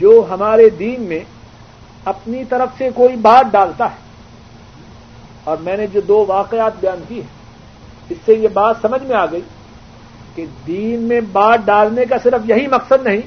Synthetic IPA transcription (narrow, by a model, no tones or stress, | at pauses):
d͡ʒoːɦɐmaːɾed̪iːnmẽ | ɐpnit̪ɐɾəfsekoːibaːt̪̚ɖaːlt̪aɦɛː | ɔːɾmɛ̃ːned͡ʒoːd̪oːʋaːqeaːt̪̚bɐjaːnkiɦɛː | ɪsːejebaːt̪sɐməd͡ʒʱmẽaːɡɐiː | ked̪iːnmẽbaːt̪̚ɖaːlnek̬asɪɾəfjɐɦimɐqsəd̪nɐɦĩː